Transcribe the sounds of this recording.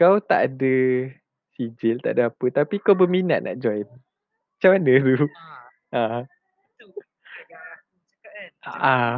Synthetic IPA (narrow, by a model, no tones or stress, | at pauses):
kawt̪aʔadə | sid͡ʒɪlt̪aʔadəapət̪apikawbəminaʔ̪̚nʔa̰ʔd͡ʒɔjn | at͡ʃamanət̪u | ʔã | a